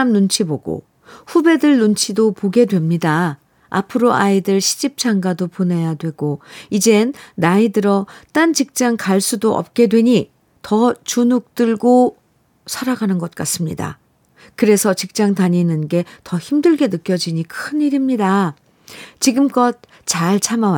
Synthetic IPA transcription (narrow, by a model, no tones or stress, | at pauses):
mnunt͡ɕʰiboɡo̰ | ɸube̞dɯɭnunt͡ɕʰidopoɡe̞dwe̞mɲida | a̰pʰɯɾoaidɯɭɕʰi̥d͡ʑip̚t͡ɕ͈aŋɡadopone̞jadwe̞ɡ̥oid͡ʑe̞nːaidɯɾʌt͈ant͡ɕik̚t͡ɕ͈aŋkaɭs͈udoʔʌ̰p̚k͈e̞dwe̞ɲi | tʌt͡ɕunuk̚t͈ɯɭɡo | sʰaɾaɡanɯnɡʌt̚k͈as͈ɯmɲida̰ | kɯɾe̞sʰʌt͡ɕik̚t͡ɕ͈aŋtaɲinɯnɡe̞tʌçimdɯɭɡe̞nɯk͈jʌd͡ʑiɲikʰɯniɾimɲida | t͡ɕiɡɯmk͈ʌt̚ | t͡ɕaɭt͡ɕʰamawa